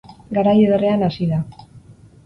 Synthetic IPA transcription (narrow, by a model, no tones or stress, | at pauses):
ɡaɾajeðereanasiða